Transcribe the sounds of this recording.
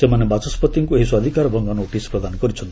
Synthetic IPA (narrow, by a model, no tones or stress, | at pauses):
semanebat͡sɔspɔt̪ːiŋkueɦiswad̪ʱikaɾbʱʌŋɡanoʈisprʌd̪anɡʌɾit͡ʃʰʌnt̪